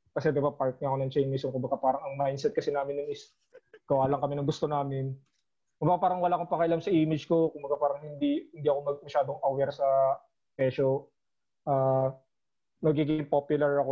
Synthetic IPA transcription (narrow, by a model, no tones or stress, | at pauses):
kɐsɛd̪ɪbapaɹt̪̚ŋɐʔɐko̞nɐŋt͡ʃɛjnmɪsoŋkʊmbɐɡapaːɾɐŋɐŋmajnsɛt̪̚kɐsɪnaːmɪnʊŋʔɪs | ɡ̥ɐwaːlɐŋkɐmɛnɐŋɡʊst̪onaːmɪn | kʊmbɐɡapaːɾɐŋwɐlaːʔɐkopɐkɐʔɐlamsɐʔiːmɪd͡ʒko̞kʊmbɐɡapaːɾɐŋhɪnd̪ihɪnd̪iːɐko̞mɐɡ̚mɐʃaːd̪oŋʔowɛɾsɐ | pɛʃo | ʔaː | mɐɡiːɡɪŋpopjʊlɐɹɐko